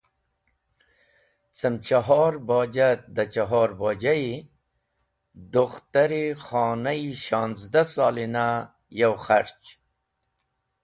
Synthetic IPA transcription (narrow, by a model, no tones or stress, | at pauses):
t͡samt͡ʃaɦɑɾbɑːd͡ʒat̪̚d̪at͡ʃaɦɑːɾbɑːd͡ʒai | d̪uxt̪aɾixɑːnaiʃɑːnzd̪asɑlina | jawxaɾt͡ʃ